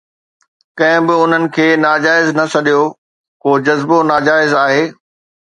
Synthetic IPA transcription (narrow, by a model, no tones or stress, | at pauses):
kɐ̃ɦɪ̃bɪʊn̤ənɪ̆kʰeːnaːd͡ʑaːɪznɐsɐɗijo | koːd͡ʑɐzbonaːd͡ʑaːɪzaːɦeː